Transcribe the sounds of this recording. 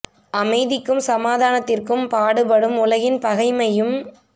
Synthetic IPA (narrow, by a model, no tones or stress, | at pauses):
ʔɐmɐɪðɪkːɯmsɐmaːðaːnɐt̪ːɪrkɯmpaːɽɯpɐɽɯmʊlɐɣɪnpɐɣɐɪmɐjɯm